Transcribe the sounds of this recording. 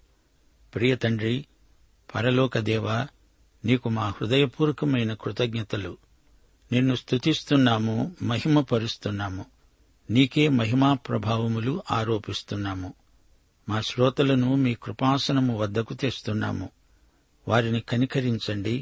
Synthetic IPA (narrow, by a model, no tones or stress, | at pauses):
pɾiːjɐt̪ɐɳɖɾi | pɐɾɐlɔːkɐd̪ɛːʋaː | niːkumaːhɾud̪ɐjɐpuːɾɐkɐmɐjnɐkɾut̪ɐɡɲɐt̪ɐlṵ | nenːust̪ʰut̪ist̪unːaːmumɐɦimɐpɐɾust̪unːaːmu | niːke̞ːmɐɦimaːpɾɐbʱaːʋɐmuluʔaːɾoːpist̪unːaːmu | maːʃɾɔːt̪ɐlɐnumiːkɾupaːsɐnɐmuʋɐd̪ːɐkut̪eːst̪unːa̰ːmu | ʋaːɾinikɐnikɐɾiɲt͡ʃɐɳɖi